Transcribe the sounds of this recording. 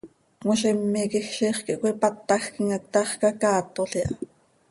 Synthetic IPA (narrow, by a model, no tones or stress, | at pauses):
kmoʃɛmːikixʃiːχkiʔkʷipɑt̪ːɑxkiŋɑt̪ːɑχkɑkɑːt̪oɬiʔɑ